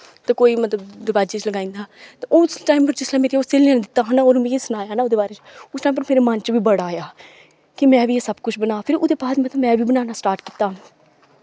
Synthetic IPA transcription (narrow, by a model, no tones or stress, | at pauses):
t̪eːkoːiːmət̪ləbd̪ɪbaːd͡ʒiːt͡ʃləɡaːĩːnd̪aːt̪eʔʊsʈaːimpəɾd͡ʒɪslɛ̃ːmeːɾioːseːlãːnːd̪ɪt̪ːaːɦənoːɾmĩːsʊnaːjaːnaːoːd̪eːbaːɾeːt͡ʃʊsʈaːimpəɾmeːɾeːmənt͡ʃʋiːbəɽaːjaː | kɪmɛ̃ːʋiːeːsəbkʊt͡ʃʰbənaːpʰɪɾʊd̪eːpaːsmət̪əbmɛ̃ːʋiːbənaːnaːsʈaːɾʈki̥ːt̪ːaː